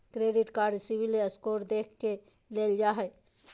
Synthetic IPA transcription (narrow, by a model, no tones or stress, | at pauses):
kɾeːɖɪʈkaɾsibilːeəskoːɾd̪eːkʰke | leːld͡ʒaɦɛ